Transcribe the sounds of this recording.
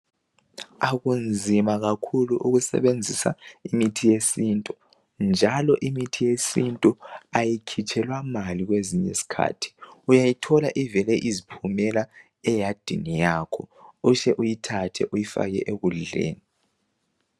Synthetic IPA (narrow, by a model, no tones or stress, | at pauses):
aɣund͡zʱimaɣakʰuluʔuɣusɛ̰βend͡zʱisa̰imitʰijesintʼu | nd͡ʒʱalɔʔimitʰijesintʼuajikʰit͡ʃʰʼɛlwamaliɣweziɲḛsi̥kʰa̰ːtʰi̥ujajitʰɔla̰ʔivɛlɛʔizipʰumɛla | ɛjad̥ʱḭnijaːkʰɔuʃɛʔujitʰatʰɛʔujifa̰ɣɛ̰ʔeɣuɮḛːni